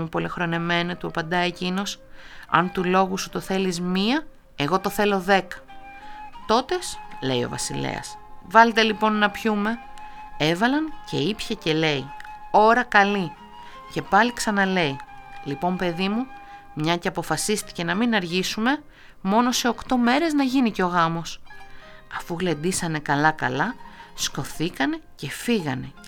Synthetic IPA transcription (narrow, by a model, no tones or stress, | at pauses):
mupo̞lexɾo̞neme̞not̪uɐpɐnd̪ɐecino̞s | ɐ̰nt̪ulo̞ɣusut̪o̞θe̞lizmiɐ | e̞ɣo̞t̪o̞θe̞lo̞ðe̞kɐ̥ | t̪o̞t̪e̞sle̞jo̞̰vɐ̰silḛɐ̰svɐlet̪e̞lipo̞nːɐpçume̞ | e̞vɐlɐnce̞̰ipçɐce̞le̞io̞ɾɐkɐli | ce̞pɐliksɐnɐle̞ilipo̞mpe̞ðimu | mɲɐceɐpo̞fɐsist̪i̥ce̞nɐminɐɾʝisume̞ | mo̞no̞se̞o̞kt̪o̞me̞ɾe̞znɐʝiniceo̞ɣɐmo̞s | ɐfuɣle̞d̪isɐne̞kɐlɐkɐlɐsko̞θikɐne̞ce̞fiɣɐne̞